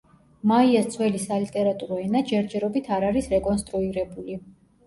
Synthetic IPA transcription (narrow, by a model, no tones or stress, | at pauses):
maiast̪sʰwɛlisalit̪ʼɛɾat̪ʼuɾɔɛnad͡ʒɛɾd͡ʒɛɾɔbit̪ʰaɾaɾisɾɛkʼɔnst̪ʼɾuiɾɛbuli